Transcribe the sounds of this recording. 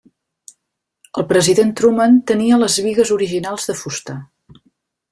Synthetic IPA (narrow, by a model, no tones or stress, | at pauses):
əlˠpɾəziðent̪ɾumənt̪əniələzβiɣəzuɾiʒinalˠzðəfust̪ə